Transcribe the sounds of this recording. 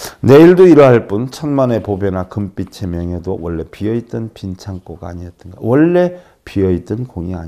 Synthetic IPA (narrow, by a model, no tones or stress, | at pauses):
ne̞iɭdoiɾʌɦaɭp͈unt͡ɕʰʌnmane̞pobjenakɯmp͈it͡ɕʰemjʌŋedowʌɭːe̞piʌit͈ɯnpint͡ɕʰaŋp͈oɡaːɲiʌt͈̚ɯnɡa̰wʌɭːe̞ | piʌit͈ɯnkoŋia̰ɲ